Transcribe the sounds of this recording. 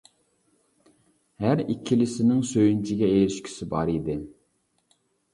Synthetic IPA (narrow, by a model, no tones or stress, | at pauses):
hæɾikʲʰːilɪsɪnɪŋsøjynt͡ʃʰɪɡʲɛejɾɪʃkʲʰi̥sɪbɑɾid̪ɪ